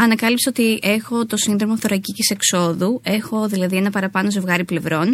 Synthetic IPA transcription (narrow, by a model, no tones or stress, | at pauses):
ɐnɐkɐlipseo̞t̪ie̞xo̞t̪o̞sinðɾo̞moɐfθoɾɐcicise̞kso̞ðue̞xo̞ðilɐðie̞nɐpɐɾɐpɐnozevɣɐɾiple̞vɾo̞n